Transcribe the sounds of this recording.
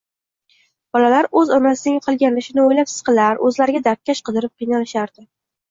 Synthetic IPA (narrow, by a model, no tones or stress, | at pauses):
b̥ɒlalaɾɵzɒnasɪnɪŋqʰɨlˠɡʲanlɪʃɪnɪojlapsɪ̥z̥qʰɨlaɾɵzlaɾɪɡʲad̪aɾt̪̚kʲʰːaʃqɨd̪ɪɾɪp̚qʰɨjnalɪʃaɾd̪ɪ